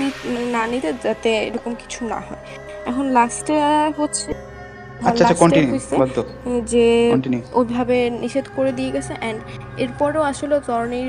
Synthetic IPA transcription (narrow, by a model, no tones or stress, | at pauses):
inanit̪ed͡ʑat̪eḛɾɔkomki̥t͡ɕʰuna̰ɦɔe | ɛkʰonlasʈaɦotːɕʰe | aaaakɔɳaʈiusead̪ʱod͡ʑeɔɳʈinuojbʱabeniʃed̪koɾed̪ijeɡɛt͡ɕʰeʔɛɳɖ | eɾpɔɾeoaʃolet̪ɔɾoni